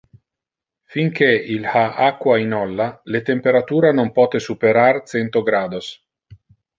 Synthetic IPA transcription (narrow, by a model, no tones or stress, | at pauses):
fiŋkʰeilhaʔakːwainɔlːalet̪empeɾat̪uːɾanompɔːt̪esupeɾart̪sɛnt̪oɡɾaːd̪os